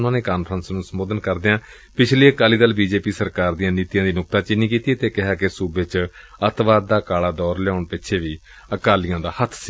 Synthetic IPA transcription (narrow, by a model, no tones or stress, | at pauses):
nãːneːkaːnpʰɾənsnũːsəmoːd̪ənkəɾd̪eãː | pɪt͡ʃʰliːəkaːliːd̪əlbiːd͡ʒeːpiːsəɾkaːɾd̪ijãːniːt̪ijãːd̪iːnʊk̚t̪aːt͡ʃɪniːkiːt̪ieːt̪eːkɪɦaːkɪsuːbet͡ʃət̪ʋaːd̪̚d̪aːkaːlaːd̪ɔːɾlɛaːʊɳpɪtːʃʰeːʋiː | əkaːlɪjãːd̪aːhət̪ʰsiː